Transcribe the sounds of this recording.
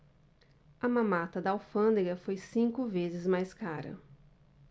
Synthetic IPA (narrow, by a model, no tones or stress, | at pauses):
ɐmãmat̪ɐd̪ɐawfɐ̃nd̪eɡɐfojsĩŋkʊvezɪzmajskaɾɐ̰